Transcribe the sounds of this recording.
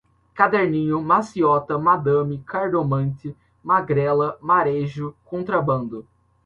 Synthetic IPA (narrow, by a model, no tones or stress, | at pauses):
kad̪ɛɾnĩɲʊmasiɔt̪ɐmad̪ɐ̃mɪkaɾd̪omɐ̃t̪ɪ | maɡɾɛlɐmaɾeʒʊkõnt̪ɾɐbɐ̃nd̪ʊ